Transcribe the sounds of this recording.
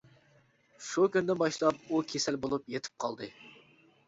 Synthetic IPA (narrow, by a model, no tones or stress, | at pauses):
ʃukʲynɪd̪ɛbɑʃlˠɑp̚ukʲʰesɛlbolˠupjet̪ʰɪ̥p̚qʰɑlˠd̪ɨ